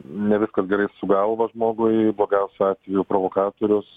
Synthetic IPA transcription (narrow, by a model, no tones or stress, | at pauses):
nʲɛʋʲɪskɐsɡʲɛɾɐɪsʊɡɐlˠʋɐʒmoːɡʊɪblˠoːɡʲɛʊsʲʊɑːt̪ʲʋʲɛjʊpɾoːʋoːkɑːt̪oːɾʲʊs